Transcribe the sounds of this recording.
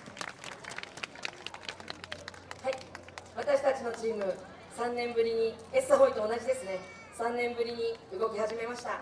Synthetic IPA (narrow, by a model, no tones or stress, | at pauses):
hai | βat̪aɕi̥t̪at͡ɕino̞t͡ɕiːmɯ̟ | sãnːẽ̞mbɯ̟ɾʲiɲ̟iesaɦo̞it̪o̞ːnaʑid̪e̞sɨne̞ | sãnːẽ̞mbɯ̟ɾʲiɲ̟iɯ̟ɡo̞kʲihaʑime̞maɕi̥t̪a